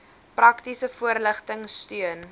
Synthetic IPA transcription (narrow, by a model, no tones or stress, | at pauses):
prɐktisəfuərləχtəŋstyən